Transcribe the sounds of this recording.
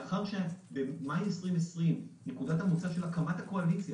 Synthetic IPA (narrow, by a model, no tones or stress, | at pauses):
aχaʁʃebemajmesʁimesʁimnekudathamut͡saʃe̞lakamat̪ako̞alit͡sja